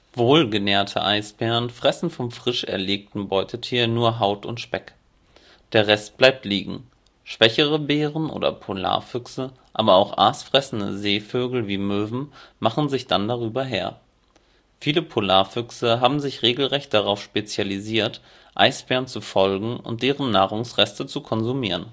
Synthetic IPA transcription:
voːlɡənɛːɐtʰə̰ʔaɪsb̥ɛːʁənfʁ̥ɛsn̩fɔmfʁ̥ɪʃɛ̰ɐleːk̚tn̩bɔʏtʰətʰiːɐnuːɐɦaʊtʊ̰ntʃpɛk | d̥eːɐʁɛst̚b̥laɪp̚tliːɡŋ̩ | ʃv̥ɛçəʁəbeːʁənʔo̰ːdɐ̰pʰola̰ːɐfʏksə | ʔaːbɐaʊxʔa̰ːsfʁ̥ɛsn̩də̰zeːføːɡl̩viːmøːvm̩maχn̩zɪçd̥andaʁyːbɐɦḛːɐ | fiːləpʰolaːɐfʏksəɦaːbm̩zɪçʁeːɡl̩ʁɛçt̚d̥aʁaʊfʃpet͡sjaliziːɐt | ʔa̰ɪsb̥ɛːɐnt͡sufɔlɡŋ̩ʊ̰nt̚d̥eːʁənːaːʁʊŋsʁɛstət͡sukʰɔnzumiːʁən

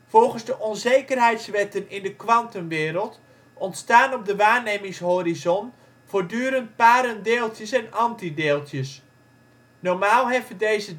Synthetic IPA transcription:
v̥ɔlˠχənzdəʔɔnzejkərɦɛjtsʋɛtənɪndəkʋɑntəmʋɪːɾəlˠt | ɔntstaːnɔb̚dəʋaːɹnejmɪŋsɦoːrizɔn | v̥oːɹdyːəɾənt̚paːɾəndeːlˠtjəsɛnɑntideːlˠtʰjəs | nɔɹmaːlˠɦɛfədejzə

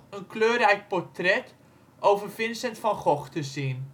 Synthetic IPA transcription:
ənkløːɾɛjk̚pɔrtrɛt | ʔowvərfɪnsəntfɔnχɔχtəsin

